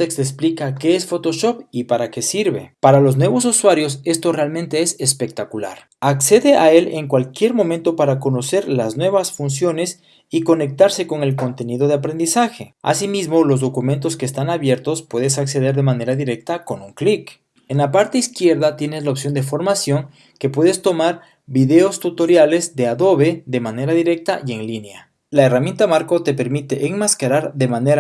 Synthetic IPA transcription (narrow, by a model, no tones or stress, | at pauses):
ekst̪esplikake̞esfo̞t̪o̞ʃo̞pipaɾake̞siɾβe̞̰paɾalo̞znwe̞βo̞s̬uswaɾjo̞se̞st̪o̞realmẽnt̪e̞esespe̞k̚t̪akula̰ɾ | akse̞ðe̞ʔae̞le̞ŋkwalkje̞ɾmõ̞mẽnt̪o̞paɾako̞no̞se̞ɾlaznwe̞βasfunsjo̞ne̞s | iko̞ne̞k̚t̪aɾse̞ko̞ŋe̞lko̞nt̪e̞niðo̞ð̞eapɾe̞nd̪isaxe̞a̰simizmolo̞zðo̞kume̞nt̪o̞skeːst̪anaβje̞ɾt̪o̞spwe̞ðesakse̞ðe̞ɾðemane̞ɾaðiɾe̞k̚t̪ako̞nuŋklik | enlapaɾt̪eiskje̞ɾðat̪je̞nezlaopsjo̞nd̪e̞fo̞ɾmasjo̞ŋ | ke̞pweðe̞st̪o̞maɾ | biðe̞ost̪ut̪o̞ɾjale̞zd̪eaðo̞βe̞ðe̞mane̞ɾaðiɾe̞k̚t̪aʔje̞ŋlinja̰ | laeramje̞nt̪amaɾko̞t̪e̞pe̞ɾmit̪e̞ʔːŋmaskaɾaɾðe̞maneɾa